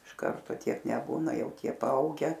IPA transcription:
ɪʃ ˈkɐrtoː ˈtʲiɛk nʲɛˈbuːnɐ ˈjɛʊ ˈtʲiɛ pɐˈɐʊɡʲɛ

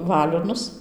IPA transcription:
ˈʋɑːlʲoːnʊs

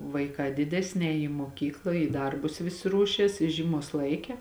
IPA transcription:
ʋɐɪˈkɑː ˈdʲɪdʲɛsʲnʲɪ ˈɛːjɪ iː muɔˈkʲiːklˠɐ iː ˈdɐrbʊs ˈʋʲɪsʲɪ ˈruɔʃʲiɛs ɪ ˈʒʲiːˌmuɔs ˈlˠɐɪˌkʲɛ

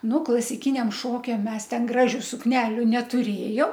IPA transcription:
ˈnʊ klˠɐsʲɪˈkʲɪnʲɛm ˈʃoːkʲɛm ˈmʲɛs ˈtʲɛn ˈɡrɑːʒʲʊ sʊkˈnʲæːlʲʊ nʲɛtʊˈrʲeːjoːm

